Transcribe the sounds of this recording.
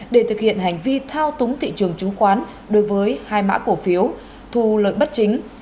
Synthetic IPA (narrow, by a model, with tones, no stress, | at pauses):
ɗe˧˩t̪ʰɨ˨k̚hḭ˧˨ənɦa˨˩jŋ̟vi˧t̪ʰaː˧wt̪ʊ˨˦ŋ͡mt̪ʰḭ˧˨t͡ɕɨ˨˩əŋt͡ɕʊ˨˦ŋ͡mxwaː˨˦n | ɗo˨˦jvəː˨˦jhaː˧jma̰ː˧˥ko˧˩fi˨˦əw | t̪ʰu˧lə̰ː˧˨jɓə˦˥t̚t͡ɕï˨˦ŋ̟